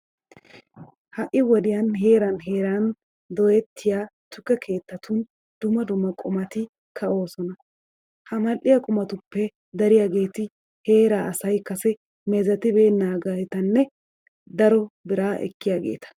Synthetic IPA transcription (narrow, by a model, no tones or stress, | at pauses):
hɐʔɪwɔd̪ɪjɐnɦe̞ːɾɐnɦe̞ːɾan | d̪ɔjɛt̪ʰːɪjaːt̪ʊkːɛkʰe̞ːt̪ːɐt̪ʰʊn | d̪ʊmɐd̪ʊmːɐkʼʊmɐt̪ɪ | kʰɐo̞ːsɔnɐ | hɐmɐlʔɪjɐkʼʊmɐt̪ʊpːɛ | d̪ɐɾɪjaːɡe̞ːt̪ɪ | he̞ːɾaːʔɐsɐjkɐsɛ | mɛzɐt̪ɪbe̞ːnːaːɡɐɛt̪ɐnːɛ | d̪ɐɾɔbɪɾaːʔɛ̰kːɪjaːɡe̞̰ːt̪ɐ̥